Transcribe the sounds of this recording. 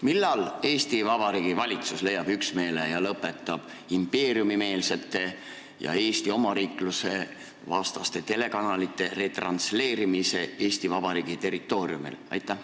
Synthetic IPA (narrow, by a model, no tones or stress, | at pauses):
milːɑle̞ːst̪ivɑb̥ɑɾiːɡ̥ivɑlʲit̪susle̞jːɑb̥yksme̞ːlejɑlɤpːˑe̞t̪ːˑɑb̥ | impe̞ːrjumime̞ːlse̞t̪ːˑe̞ | jɑ̰e̞ːst̪io̞mɑɾiːkluse̞ | vɑst̪ɑst̪e̞t̪e̞le̞kɑnɑlit̪ːˑe̞re̞t̪rɑ̰nsle̞ːɾimise̞eːst̪ivɑbɑɾiːɡ̥it̪e̞ɾit̪ˑːo̞ːɾiumḭlɑ̰jt̪ˑːæh